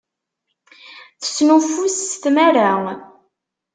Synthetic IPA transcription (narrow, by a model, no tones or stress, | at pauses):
θə̥snufusːθmaɾa